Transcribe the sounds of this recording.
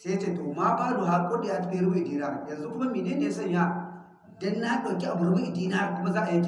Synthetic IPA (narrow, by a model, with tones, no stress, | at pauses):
se˦ja˦t͡ʃeː˦˨toː˨ma˦ɸaː˦lo˨ɦa˨ɾkʷʼoː˦da˨jaː˦tɐ˦be˦˨ɾɡu˦ʔi˨diː˦na˦˨ɾjɐ˨nzu˦kʊ˦mɐ˦mːiː˨neː˦ne˨˦sɐ˦˨ɲja˦ | dɔ˦nːa˦ɗɐ˨wkʲi˦ʔa˨bʊ˨ɽbu˦ʔi˨diː˦naː˦˨kʷʊ˦ma˦zaː˦ʔa˨ji˦kʲ